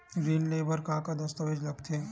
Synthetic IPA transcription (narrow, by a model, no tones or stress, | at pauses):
ɡɾiːnlebəɾkãːkad̪ɐst̪əʋed͡ʒlɐkt̪ʰe